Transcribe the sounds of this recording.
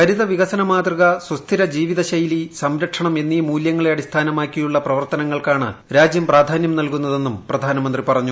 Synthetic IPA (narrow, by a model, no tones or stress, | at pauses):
kɐɾiðɐʋiɣɐsɐnɐmaːd̪riɣɐswɐst̪ʰiɾɐd͡ʑiːʋiðɐɕɐjlisɐmɾɐʈʂɐɳɐme̞nːimuːljɐŋːɐɭeɐɽist̪ʰaːnɐmaːkʲːijuɭːɐprɐʋɐrt̪ɐnɐŋːɐɭkaːɳɨ̰ɾaːd͡ʑjɐmpraːd̪ʱaːnjɐmnɐlkunːɐðe̞nːumprɐd̪ʱaːnɐmɐnd̪ripɐrɐɲːu